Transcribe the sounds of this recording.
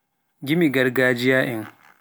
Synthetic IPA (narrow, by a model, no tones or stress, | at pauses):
ɡʲɪmiɡɐrɡaːd͡ʒɪjaːʔɪŋ